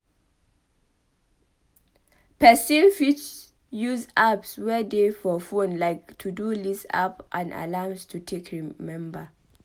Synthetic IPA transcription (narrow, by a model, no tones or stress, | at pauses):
pʰɛsilfit͡ʃ | juzapswɛdefɔfõnlaɪktʰudulisa̰pʔãna̰lamstʰutʰekʰɹimɛ̃mbə